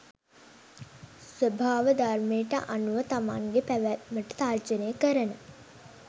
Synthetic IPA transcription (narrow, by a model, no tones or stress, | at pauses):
sʋəbʱaːʋəd̪ʱarmejəʈə̰ʔanuʋət̪amaŋɡepæʋæməʈət̪ard͡ʒənəjəkəɾənə